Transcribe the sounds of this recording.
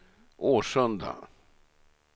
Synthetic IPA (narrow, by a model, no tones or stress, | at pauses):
ʔoːʂœnd̪a̰